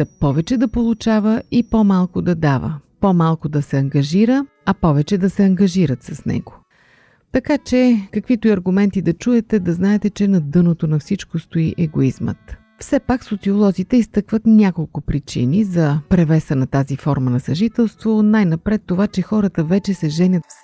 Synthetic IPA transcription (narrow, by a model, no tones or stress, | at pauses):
ɐpɔvɛt͡ʃɛd̪ɐpolˠʊt͡ʃavəipomalˠkod̪ɐd̪avə̰pomalˠkod̪ɐsɛɐŋɡɐʒiɾə | ɐpɔvɛt͡ʃɛd̪ɐsɛɐŋɡɐʒiɾət̪sɐsnɛ̰ɡo̥ | t̪ɐkat͡ʃɛkɐkvit̪oiɐɾɡʊmɛnt̪id̪ɐt͡ʃuɛt̪ɛd̪ɐznaɛt̪ɛt͡ʃɛnɐd̪ɤnot̪onɐfsit͡ʃkost̪oiʔɛɡoizmə̰t̪ | fsɛpaksot̪siolˠɔzit̪ɛist̪ɤkvət̪nʲakolˠkʊpɾit͡ʃḭnizɐpɾɛvɛsənɐt̪azifɔɾmənɐsɐʒit̪ɛlˠst̪vonajnɐpɾɛt̪ːovat͡ʃɛxɔɾət̪əvɛt͡ʃɛsɛʒɛnʲət̪f